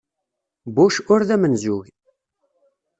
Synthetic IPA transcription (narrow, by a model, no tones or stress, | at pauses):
buʃʊɾðæmənzuɣ